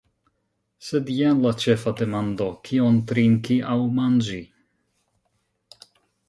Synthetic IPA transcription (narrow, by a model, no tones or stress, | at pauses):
sedjanlat͡ʃefade̞mand̪o̞kʰiont̪ɾiŋkiʔawmand͡ʒi